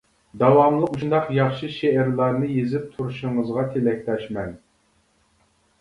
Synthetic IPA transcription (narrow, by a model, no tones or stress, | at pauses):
d̪ɑwɑmlˠəquʃnd̪ɑqjɑχʃɨʃeɛɾlˠɑɾnɨjezɪp̚t̪ʰuɾuʃʊŋəzʁɑt̪ʰelɛkʲt̪ɛʃmɛn